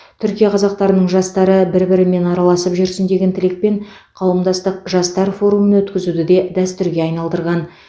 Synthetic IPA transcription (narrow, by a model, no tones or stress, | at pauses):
t̪ʰʏɾkʲijɑqʰɑzɑq̚t̪ɑɾənəɴʒɑst̪ɑɾəbɪɾbɪɾɪme̞nɑɾɑlˠɑsəpʒʏɾsɪnd̪e̞ɡʲent̪ʰɪlɪk̚pe̞ɴ | qʰɑwəmd̪ɑst̪əqʒɑst̪ɑɾfo̞ɾumənwɵt̪kʲɪzud̪ɪd̪e̞d̪æst̪ʏɾɡʲe̞ɑjnɑlˠd̪əɾʁɑn